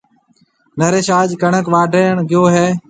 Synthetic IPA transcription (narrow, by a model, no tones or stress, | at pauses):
nəɾeːʃaːd͡ʒkəɳəkʋaːɖʱəːɳɡɪjoːɦeː